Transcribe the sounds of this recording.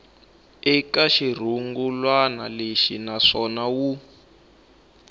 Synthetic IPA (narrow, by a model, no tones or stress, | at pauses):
ɛkaʃir̤uŋɡulwana̰leʃinaʂɔnawu